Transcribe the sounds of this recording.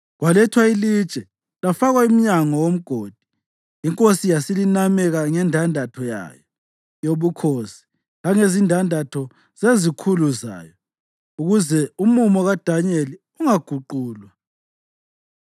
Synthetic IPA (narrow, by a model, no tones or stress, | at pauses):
ɣwalɛtʰwaili̥t͡ʃʼɛ | lafaɣwaim̩ɲaŋɔwom̩ɡ̥ʱoːd̥ʱi̥ | iŋkʼosijasilinamɛɣaŋɛndʱandʱatʰɔja̰ːjɔ | joβukʰosi̥ | ɣaŋezindʱandʱatʰɔ | z̥ezikʰuluza̰ːjɔ | uɣuzɛumumɔɣad̥ʱaɲeli | uŋaɡ̥ʱuǃuːlwa